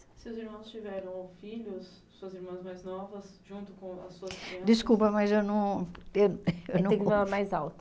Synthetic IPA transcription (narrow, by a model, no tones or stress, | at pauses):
sɪeʊziɾmɐ̃w̃st͡ʃivɛɾɐ̃w̃fiʎʊs | suɐziɾmɐ̃zmãjznɔvɐsʒũnt̪ʊkõɐ̰sːuɐsd͡ʒiskupɐmɐzewnɐ̃w̃ewewnɐ̃ẽkfalamajzawt̪ɐ